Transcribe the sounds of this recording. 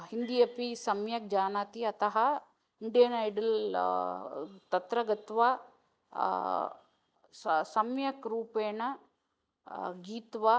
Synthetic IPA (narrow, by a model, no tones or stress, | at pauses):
hind̪ijɐpisɐmjɐk̚d͡ʒaːnaːt̪iɐt̪ɐɦɐ | iɳɖijɐnɐjɖɐl | t̪ɐt̪ɾɐɡɐt̪ʋa | sɐmjɐkɾuːpeːɳɐ | ɡiːt̪ʋa